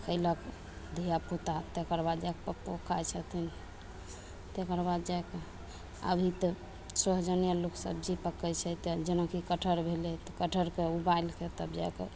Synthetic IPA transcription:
kʰəɪlək | d̪ʱijaput̪at̪ekəɾbad̪d͡ʒajkpəpokʰajt͡ʃʰət̪ʰin | t̪ekəɾbad̪d͡ʒajke | ə̰bʱit̪ə | səɦd͡ʒənijaluksə̰bd͡ʒipəkɛt͡ʃʰɛt̪d͡ʒənakikəʈʰəɾbʱelɛt̪ɔkəʈʰəɾkeubailket̪əbd͡ʒa̰jkḛ

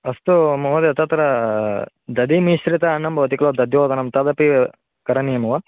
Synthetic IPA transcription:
ɐst̪umɐɦɐd̪eɐt̪ɐt̪ɐɾɐ | d̪ɐd̪imiʃɾit̪ɐːnːɐmbɐʋɐt̪ikɐlod̪ɐd̪joːd̪ɐnɐmt̪ɐd̪ɐpi | kɐɾɐnijɐmɐʋɐ

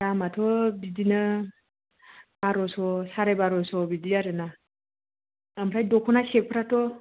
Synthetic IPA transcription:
ɾamatʰɔbidinɯ | baɾɔsɔsaɾajbaɾɔsɔbidiaɾɯna | amɾajdɔkʰɔnasek̚pʰɾatʰɔ

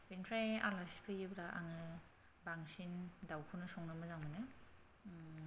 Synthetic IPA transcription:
binkʰɾaja̰lasi̥pʰɯjɯbɾaʔa̰ŋɯ | baŋsindawkʰɯnɯsɔŋnɯmɯzaŋmɯnɯ

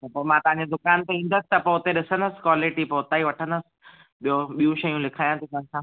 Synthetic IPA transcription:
t̪ɐpoːmãt̪ɐʋ̤ãɲd͡ʑed̪ʊkaːnt̪eĩːn̆d̪əsɪ̥̆t̪ɐpoːɦʊt̪eɗɪsənd̪əsɪ̥̆kwaːlɪʈipoːʊt̪aːiʋɐʈʰə̃nd̪əsɪ̥̆ | ɓijoɓijũʃɐjũlɪkʰaːjãt̪ot̪ɐ̃ɲsã

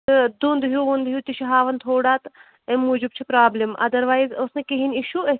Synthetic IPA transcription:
ɨd̪und̪ɦuʋund̪ɦjut̪iʃɐɦaːʋɐnt̪ʰoːɽaːt̪ | emuːd͡ʒib̚t͡ʃʰipɾaːblimʔɐ̰d̪ɐɾʋaːjzosnekeɦiniʃue

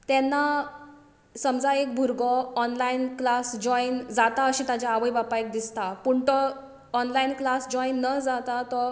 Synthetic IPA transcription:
t̪ɛnːa | səmd͡zaekbʱuɾɡɔːnlainklasd͡ʑɔind͡zat̪aəɕĩt̪ad͡ʑjaːʋəjbapaek̚d̪ist̪apuɳt̪ɔ | ɔnlainklasd͡ʑɔinːəd͡zat̪at̪ɔ

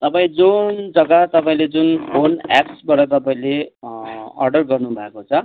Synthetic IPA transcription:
t̪ʌpaĩd͡zund͡zʌɡat̪ʌpaĩled͡zunpʰona̰psbaɾʌt̪̬ʌpaĩle | ʌ̰rɖʌrɡʌrnubʱʌekot͡sʰʌ

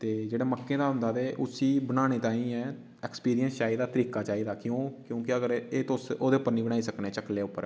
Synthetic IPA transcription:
t̪eːd͡ʒeːɽaːməkːẽːd̪aːɦʊnd̪aːt̪eːʔʊsiːbənãːeːt̪ãːĩːɛː | ɛːkspiːɾijə̃nst͡ʃaːiːd̪aːt̪əɾiːkaːt͡ʃaːiːd̪aːkjõːkjõːkɪəɡəɾeːt̪osoːd̪eːʊpːəɾniːbəɽ̃aːiːsəknẽːt͡ʃəkleːʊpːəɾ

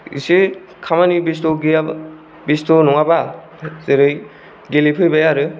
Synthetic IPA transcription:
ḭse | kʰamanibistɔɡia | bistonɔŋaba | zeɾɯj | ɡelipʰɯjbajaɾɯ

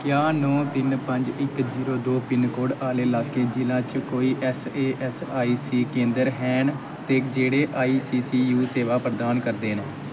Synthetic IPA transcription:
kjaːnɔ̃ːt̪ɪnpəɲd͡ʒɪkziːɾoːd̪oːpɪnkoːɽaːleːlaːkeːd͡ʒɪlãːt͡ʃkoːiːʔɛseːʔɛsaːiːsiːkẽːnd̪əɾɦɛːɳ | t̪eːkd͡ʒeːɽeːʔaːiːsiːsiːjuːseːʋaːpɾəd̪aːnkəɾd̪eːnː

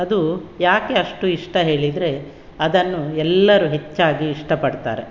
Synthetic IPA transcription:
ɐd̪ujaːke̞ɐʂʈuiʂʈɐɦe̞ːɭid̪ɾe̞ | ɐd̪ɐnːuɛlːɐɾuɦe̞t͡ʃːaːɡiːʂʈɐpɐɽt̪a̰ːɾe

